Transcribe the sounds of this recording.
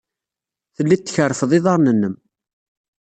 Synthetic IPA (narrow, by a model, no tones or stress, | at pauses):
θəlːit̪ːçərːfəðˤɪðˤɑɾˤnənːəm